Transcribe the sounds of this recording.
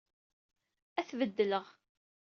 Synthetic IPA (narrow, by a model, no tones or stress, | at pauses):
æθvəd̪ːələʁ